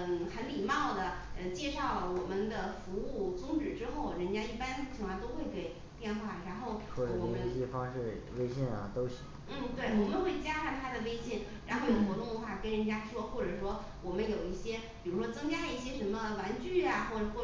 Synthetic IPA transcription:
xə˧˥nmi˨˩mɑ˥˩ʊd̪ə˩ə˧t͡ɕjɛ˥˧ʂɑ˥˩ʊlwɔ˨˩mə˦nd̪ə˨fu˧˥u˥˩t͡sʊ˥ŋʈ͡ʂɻ̩˨˩ʈ͡ʂɻ̩˥xo˥˩ʊɻə˧˥nt͡ɕja˥i˥˩pa˥nt͡ɕʰŋkwa˥˧t̪o˥ʊxwe˥˩ɪke˧˩ɪ | pjɛ˥˧nxwa˥˩ɻa˧˥nxo˥˩ʊwwɔ˥˩ʈ͡ʂə˨˩wɔ˨˩˨i˥˩ɕjɛ˥fɑ˥ŋʂɻ̩˥˩we˥ɪɕjɛ˥˩nɐ̰˩t̪o˥ʊɕi˨˦ŋn̩˥˩t̪we˥˩ɪwɔ˨˩mə˧˦nxwe˥˩ɪt͡ɕja˥ʂa˥˩nt̪ʰa˥d̪ə˨we˥ɪɕjɛ˥˩nɻa˧˥nxo˥˩ʊjo˨˩xwɔ˧˥t̪ʊ˥˩ŋd̪ə˨˩xwa˥˩kə˥nɻə˧˥nt͡ɕja˥ʂwɔ˥xwɔ˥˩ʈ͡ʂɤ˨˩ʂwɔ˥ | wɔ˨˩mə˦njo˨˩ʊi˥˩ɕjɛ˥pi˨˩ɻu˧˥ʂwɔ˥t͡sɤ˥ŋt͡ɕja˥˧i˥˩ɕjɛ˥ʂə˧˥nmə˧wa˧˥nt͡ɕy˥˩a˨˩xwɔ˥˩ʈ͡ʂxwɔ˥˩

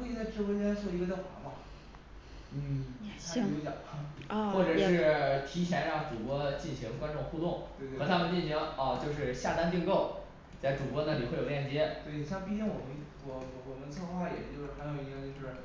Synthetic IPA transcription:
we˥˧˩i˥˧˩t͡sa˥˩ɪʈ͡ʂɻ̩˥wt͡ɕswɔ˥˩i˧˥ɡə˧jɑ˥˩xa˧˥ma˧˩ | n̩˥˩a˥˧˥jɑ̰˨˩˦xwɔ˥˩ʈ͡ʂɤ˨˩ʂɻ̩˥˩t̪ʰi˧˥t͡ɕʰjɛ˧˥nɻɑ˥˩ŋʈ͡ʂu˨˩kwɔ˥t͡ɕi˥˩nɕi˧˥ŋkwa˥nʈ͡ʂʊ˥˧ŋxu˥˧t̪ʊ˥˩ŋwe˥˧ɪt̪xɤ˧˥t̪ʰa˥mə˨nt͡ɕi˥˩nɕi˧˥ŋɐ˥˧t͡ɕjo˥˧ʊʂɻ̩˥˧ɕja˥˩t̪a˥nt̪i˥˧ŋko˥˩ʊ | t͡sa˥˩ɪʈ͡ʂu˨˩kwɔ˥na˥˩li˨˩xwe˥˩ɪjo˨˩˧ljɛ˥˩nt͡ɕjɛ˥t̪we˥˩ɪ˨˩ɕjɑ˥˧ŋpi˥˧˩t͡ɕi˥˩ŋwɔ˨˩mə˦nwɔ˨˧˩wɔ˨˩mə˦nt͡sʰɤ˥˧xwa˥˩jɛ̰˨˩t͡ɕjo˥˧ʊʂɻ̩˥˩xɪjo˨˩˧

